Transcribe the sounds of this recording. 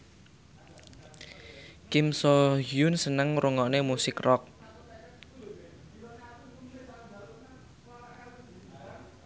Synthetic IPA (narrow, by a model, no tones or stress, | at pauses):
kɪmsɔɦjunsənəŋruŋɔʔnemusɪkrɔk̚